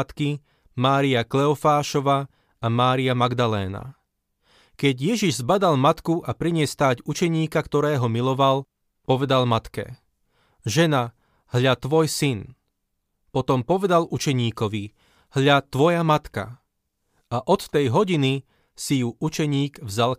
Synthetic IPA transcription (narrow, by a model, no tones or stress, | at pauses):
t̪ki | maːɾiaklɛɔfaːʃɔʋa | amaːɾiamaɡd̪alɛ̰ːna̰ | kɛɟjɛʒiʒzbad̪almat̪kuʔapɾiɲɪɛst̪aːɟut͡ʃɛɲiːkakt̪ɔɾɛːɦɔmilɔʋal | pɔʋɛd̪almat̪kɛ̰ | ʒɛna | ɦʎat̪ʋɔjsin | pɔt̪ɔmpɔʋɛd̪alut͡ʃɛɲiːkɔʋi | hʎat̪ʋɔjamat̪ka̰ | aʔɔt̪t̪ɛjɦɔɟini | sijuʔut͡ʃɛɲiːɡvzal